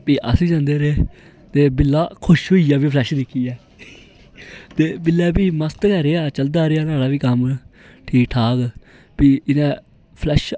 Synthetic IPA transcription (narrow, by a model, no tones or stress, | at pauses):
piːʔə̰sĩːd͡ʒãːnd̪eːɾeː | t̪eːbɪlːaːkʰʊʃɦoːiːaːbiːpʰlɛːʃd̪ɪkʰːiːɛː | t̪eːbɪlːɛːpiːməst̪kɛɾeːaːt͡ʃəld̪aːɾeːaːnaːɽaːbiːkəm | ʈʰiːk̚ʈʰaːk | piːɪnɛ̃ː | pʰlɛːʃ